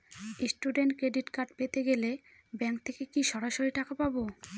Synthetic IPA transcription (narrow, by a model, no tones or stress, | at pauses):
esʈuɖeɳʈkɾeɖiʈkaɾɖpet̪eɡele | bɛŋk̚t̪ʰekekiʃɔɾaʃoɾiʈakapabo